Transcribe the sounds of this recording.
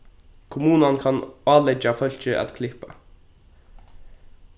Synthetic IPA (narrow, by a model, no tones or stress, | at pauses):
kʰʊmuːnankʰɑnɑːlɛd͡ʒafœl̥t͡ʃəʔæ̰t̪kʰlɪhpa̰